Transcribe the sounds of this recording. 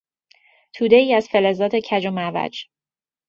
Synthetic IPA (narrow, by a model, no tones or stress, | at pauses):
t̪ʰuːd̪e̞iːæz̥fe̞le̞zɒːt̪ʰe̞cʰæd͡ʒomævæ̰d͡ʒ